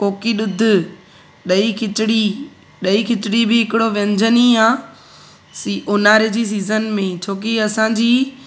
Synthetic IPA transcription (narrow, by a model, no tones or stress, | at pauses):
koːkiɗʊd̪ʱɪ̆ | ɗɐikʰɪtɪɽi | ɗɐikʰɪtɪɽibɪɦɪkɪɽoʋɐ̃ɲd͡ʑəniaː | siʊnaːɾɪd͡ʑiːs̬iːzənmẽt͡ɕʰoːk̬iɐsãːd͡ʑiː